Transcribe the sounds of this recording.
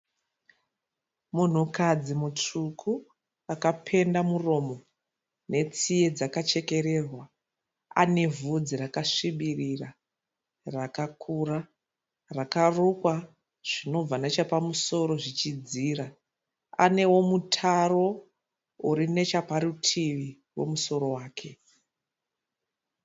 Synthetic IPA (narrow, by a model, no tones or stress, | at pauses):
mun̤ukad͡zimut͡ʂukʰu | akapʰe̞ndamuro̞mo̞ | ne̞t͡sije̞d͡zakat͡ʃe̞ke̞ɾe̞rwa | a̰ne̞vʱud͡zirakaʂiɓirira | rakakʰuːra | rakarukwa | ʐ̥ino̞b͡vanet͡ʃapamuso̞ɾo̞ʐit͡ʃid͡ziːra | a̰ne̞wo̞mutʰaro̞ | uɾine̞t͡ʃapaɾutʰiʋi | wo̞̰muso̞ɾo̞waːkʰe̞